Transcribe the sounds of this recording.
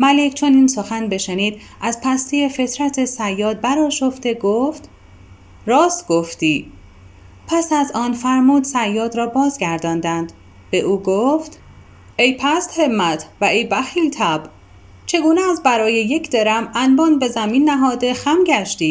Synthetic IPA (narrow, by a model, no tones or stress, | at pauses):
mælecʰt͡ʃʰo̞niːnso̞xænbe̞ʃeniːd̪ | ʔæzpʰæst̪ijefe̞t̪ʰɾæt̪ʰe̞sæjːɒːd̪̚bæɾɒːʃo̞ft̪e̞ɡoft̪ | ɾɒːst̪ɡ̥oft̪iː | pʰæsæzɒːnfæɾmuːd̪sæjːɒːd̪ɾɒːbɒːzɡæɾd̪ɒːnd̪ænd̪ | b̥e̞ʔuːɡoft̪ | ejpʰæst̪he̞mːæt̪ʰvæʔe̞jbæxiːlt̪ʰæb | t͡ʃʰe̞ɡuːneːzbæɾɒːjeje̞cʰd̪eɾæmænbɒːnbe̞zæmiːnːæɦɒːd̪e̞xæmɟæʃt̪iː